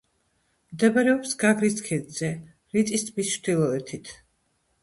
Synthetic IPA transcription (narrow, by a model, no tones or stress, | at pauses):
md̪ɛbaɾɛɔpsɡaɡɾiskʰɛd̪zɛ | ɾit̪ʼist̪ʰbisʃɾd̪ilˠɔɛt̪ʰit̪ʰ